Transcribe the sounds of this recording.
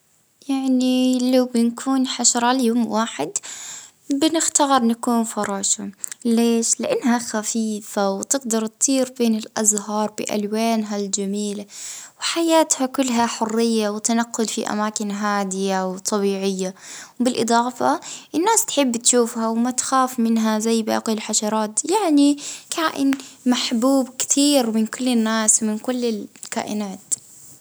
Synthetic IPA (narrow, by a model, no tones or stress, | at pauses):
jaʕnilawbɪnkʰuːnħaʃɾˤɑljoːmwaːħɪd̪ | bɪnɪxt̪aɣɪɾˤnakuːnfɑɾˤɑːʃaleːʃlɪʔanːɦaxafiːfawt̪ɪɡd̪ɑɾˤt̪t̪ˤːiːɾbeːnɪlʔazɦɑːɾˤbɪ̰ʔa̰lwaːnɦald͡ʒamiːlawħajaːt̪hakʊlːɦaħʊrːɪjːawɪt̪anaqːʊlfiʔa̰maːkɪnɦaːd̪ɪjawt̪ˤɑbiːʕɪjːawbɪlʔɨd̪ˤɑːfaʔɪnːaːst̪ħɪbːt̪ʃuːfhawmat̪xaːfmɪnɦazajːba̰ːqilħaʃɑɾˤɑːt̪jaʕnikʰaːʔɪ̰nmaħbuːbkɪ̥t̪ʰiːɾmɪnkʊlːɪnːaːswmɪnkʊlːɪlka̰ːʔɪ̰naːt̪